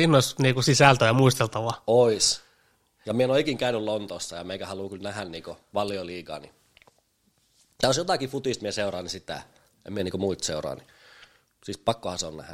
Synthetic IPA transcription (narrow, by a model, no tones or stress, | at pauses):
iːnːoisniːkusisæˑlt̪øjɑmuist̪elt̪ɑʋɑois | jɑmienoikiːŋkæynylont̪osːɑjɑmeikæhɑluːkylnæhænniːkoʋɑlːioliːkɑ̰ːnḭ | t̪æosjot̪ɑˑkifut̪iˑst̪mieseurɑːnisit̪æ̰ | ḛmieniːkomuit̪seurɑ̰ːni | siːspɑkːohɑseo̰nnæ̰hæ̰